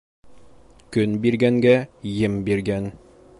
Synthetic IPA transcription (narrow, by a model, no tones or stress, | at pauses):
kɵnbiɾɡæŋɡæjɘmbiɾɡæn